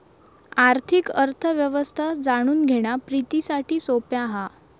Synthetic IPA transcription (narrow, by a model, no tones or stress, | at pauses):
aɾt̪ʰikəɾt̪ʰəʋjəʋəst̪ʰad͡zaɽ̃uːnɡʱeɽ̃apɾit̪isaʈʰiːsopjaɦa